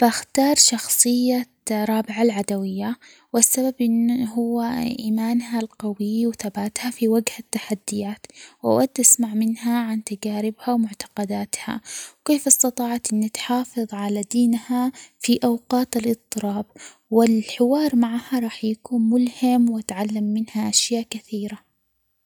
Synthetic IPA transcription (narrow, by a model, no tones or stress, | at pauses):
baxt̪ɑːɾˤʃɑxsˤɨjːa | ɾˤɑːbɪʕalʕad̪awɪjːa | wɪsːababʔɪnːɦʊwːaʔiːmaːnhalqɑwɪːwθabaːt̪hafiwaɡhat̪ːaħad̪ːɪjaːt̪wʔa̰wad̪ːʔasmaʕmɪnhaʕant̪ad͡ʒaːɾɪbhawmʊʕt̪ḁqɑd̪aːt̪ha̰wkeːfɑst̪ɑt̪ˤɑːʕɑt̪ʔɪnːat̪ħɑːfɨðˤʕalad̪iːnhafiʔawqɑːt̪alʔɨt̪ˤːɨɾɑːb | wɪlħɪwɑːɾˤmaʕhaɾˤɑːħjakuːnmʊlhamwat̪ʕalːamːɪnhaʔaʃjaːʔkaθiːɾa